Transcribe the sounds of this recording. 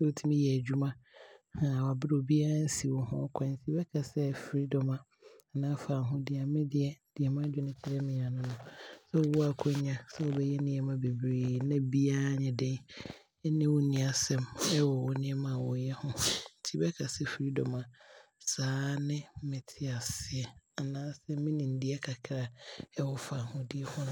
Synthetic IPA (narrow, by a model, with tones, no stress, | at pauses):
sɛ˦o˨tʰi˦mĩ˦jɛ˨æ˨d͡ʑᶣu˦mã˦hã˨wa˨bɪ˦ɾo˨bi˦a˦n̩˦si˨wɔ˨hʊ̰̃˦kʷʰã˨˦n̩˦tʰi˦bɛ˦kʰa˨sɛ˦fɾi˦dɔ˨mã˨ | nã˦fa˨ɦʊ̃˦dɪ˨a˨mɪ̃˦dɪ˦ɛ˨˦d̥ɪ˨ɛ˨mã˦d͡ʑᶣɪ˦nɪ̃˦t͡ɕʰɪ˦ɾɛ˦mɪ̃˨a˨nʊ̃˦nʊ̃˨sɛ˦˨˦wɔ˦a˨kʰɔ˦ɲã˨sɛ˦ɔ˨bɛ˦jɛ˦nɪ̃˨ɛ̃˨mã˦be˨bɾeː˨nã˦bi˦a˦ɲɪ̃˨dɛ˦ | nɪ̃˦wɔ˦nĩ˨a˨sɛ˦mɛ˦wɔ˨wɔ˨nɪ̃˦ɛ˦mã˨wɔ˨jɛ˦hʊ̃˦n̩˦tʰi˦bɛ˦kʰa˨sɛ˦fi˨ɾi˦dɔ˨mã˨saː˨˦nɪ̃˦mɪ̃˨tʰɪ˦a˨sɪ˨ɛ˨a˨nãː˦sɛ˦mɪ̃˦nĩ˨n̩˦dɪ˦ɛ˦kʰa˨kʰɪ˨ɾa˨ɛ˦wɔ˨fa˨hʊ̃˦dɪ˦ɛ˦hʊ̃˦ñ˦